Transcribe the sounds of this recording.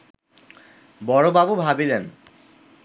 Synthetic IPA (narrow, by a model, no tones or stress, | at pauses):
bɔɹobabubʱabilen